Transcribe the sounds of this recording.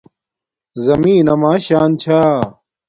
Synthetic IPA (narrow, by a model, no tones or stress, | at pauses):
zɐmĩːnɐmaːɕaːnt͡ɕʰaː